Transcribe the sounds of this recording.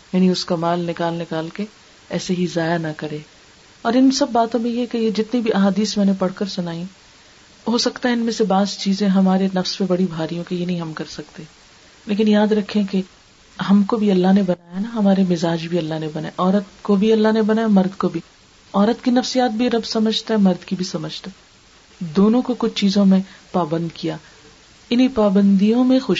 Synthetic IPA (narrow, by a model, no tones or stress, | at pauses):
jaːniʊskamaːlnɪkaːlnɪkaːlke | ɛːseɦizaːjanɐkɐɾẽː | ɔːɾɪnsɐbːaːt̪õmẽjekejed͡ʒɪt̪nibʱiʔɐɦaːd̪iːsmɛ̃ːnepɐɽ̤kəɾsʊnaːĩ | ɦoːsɐkt̪aɦɛɪnmẽsebaːzt͡ʃiːzẽɦɐmaːɾenɐfspebɐɽibʱaːɾijõkejenɐɦĩɦɐmkɐɾsɐkt̪e | leːkɪnjaːd̪ɾɐkʰːẽke | ɦɐmkobʱiɐlːaɦnebɐnaːjaɦnaɦɐmaːɾemɪzaːd͡ʒbʱiɐlːaɦnebɐnaeʔɔːɾət̪kobʱiɐlːaɦnebɐnaːjamɐɾd̪kobʱi | ɔːɾət̪kinɐfsijaːt̪̚bʱiɾɐbsɐməd͡ʒʱt̪aɦɛmɐɾd̪kibʱisɐməd͡ʒʱt̪a | d̪oːnõkokʊt͡ʃʰt͡ʃiːzõmẽpaːbə̃nd̪kijaː | ɪnipaːbə̃nd̪ijõmẽxʊʃ